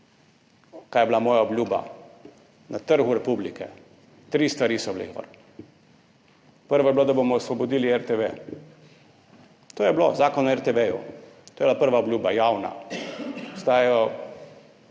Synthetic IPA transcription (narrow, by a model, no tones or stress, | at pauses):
kaːjɛblamɔːjaɔblʲjuːba̰ | nat̪əɾɣuɾɛpublikɛ | t̪ɾiːst̪ʋaɾisɔblḛxʋə̰ɾ | pəɾʋablod̪abomɔsʋɔbɔd̪iːliɛɾt̪eʋe | t̪oːjɛblozaːkɔnɔɛɾt̪eʋejṵt̪oːjɛblapəɾʋaɔbljuːbajawna̰ | ɔst̪aːjɛjɔ